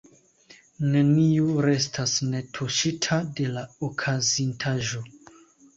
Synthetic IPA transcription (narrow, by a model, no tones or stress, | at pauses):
ne̞niuɾe̞stʰasne̞tʰuʃitʰade̞laokʰazintʰaʒo̞